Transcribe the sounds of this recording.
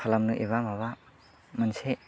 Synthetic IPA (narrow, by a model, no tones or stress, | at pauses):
alamnɯʔiβamaβa | manse